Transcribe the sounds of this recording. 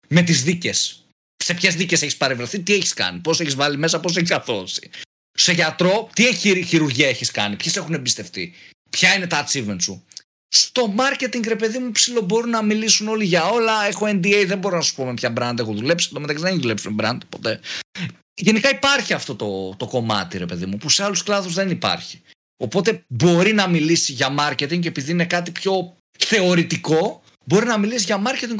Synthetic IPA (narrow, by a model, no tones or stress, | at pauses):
me̞t̪izðice̞s | se̞pçe̞zðice̞se̞çi̥spɐɾevɾeθit̪ieçi̥skɐ̰nipo̞seçizvɐlime̞sɐpo̞s̬e̞çisɐθo̞si̥ | se̞ʝɐt̪ɾo̞t̪ieçiɾçiɾuɾʝiɐeçiskɐ̰nipçese̞xunembist̪e̞ft̪ḭ | pçɐine̞t̪ɐt͡sivensu | st̪o̞mɐɾce̞t̪iŋɡɾe̞pe̞ðimupsilo̞bo̞ɾunɐmilisuno̞liʝɐo̞lɐe̞xo̞end̪iejðe̞mbo̞ɾonɐsu̥po̞me̞pçɐbɾɐnd̪ɐexoðule̞psi̥t̪omeɐksiðeçðule̞psimebɾɐ̰nd̪ɐpo̞t̪e | ʝe̞nikɐipɐɾçiɐft̪o̞t̪o̞t̪o̞ko̞mɐ̰t̪iɾe̞pe̞ðḭmupuseɐlusklɐðuzðe̞nipɐ̰ɾçi̥ | o̞po̞t̪e̞bo̞ɾinɐmilisiʝɐmɐɾce̞t̪iŋɡe̞piðiine̞kɐt̪ipço̞ | θe̞o̞ɾit̪iko̞ | bo̞ɾinɐmilisiʝɐmɐɾcet̪iŋɡ